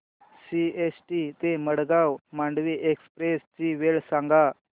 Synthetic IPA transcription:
siesʈit̪eməɽɡawmaɳɖʋiːʔekspɾest͡ɕiʋeɭsaŋɡa

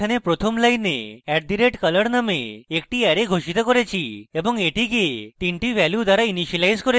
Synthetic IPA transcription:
anepɾot̪ʰɔmlajnḛɛʈ̚d̪iɾeʈkələɽnəmḛːkʈiɛɾeɡʱoɕit̪ɔkɔɾat͡ɕiebɔŋɡeʈiɡet̪iɳʈiʋɛljud̪aɾainiɕilajzkɔɾ

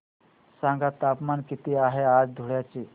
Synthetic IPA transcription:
sãŋɡat̪apmankit̪iaɦead͡zd̪ʱuɽjat͡ɕi

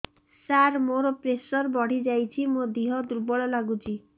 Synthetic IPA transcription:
saɾmoɾɔpɾesɔɾbɔɽ̤id͡ʒajt͡ʃʰimod̪iɦɔd̪uɾbɔɭɔlaɡut͡ʃʰi

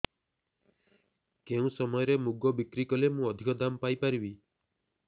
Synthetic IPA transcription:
keũsɔmɔjɔɾemuɡɔbikɾikɔlemũɔd̪ʱikɔd̪ampajpaɾibi

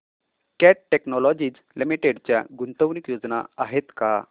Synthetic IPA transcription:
kɛʈːeknɔlɔd͡ʑiːd͡z | limiʈeɖt͡ɕja̰ɡunt̪əʋnikjod͡zna̰aɦet̪ka

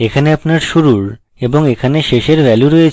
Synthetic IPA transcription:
ekʰaneapnaɾʃuɾuɾ | eboŋekʰaneʃeʃeɾbɛluɾojet͡ɕʰ

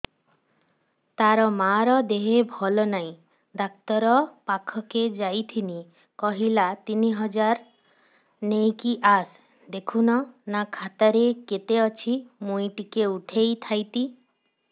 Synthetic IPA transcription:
t̪aɾɔmaɾɔd̪eɦebʱɔlɔnaj̃ | d̪ak̚t̪ɔɾɔpakʰɔked͡ʒajt̪ʰini | kɔɦilat̪iniɦɔd͡ʒaɾ | nejkiʔas | d̪ekʰunɔnakʰat̪aɾeket̪eɔt͡ʃʰimujʈikeuʈʰejt̪ʰajt̪i

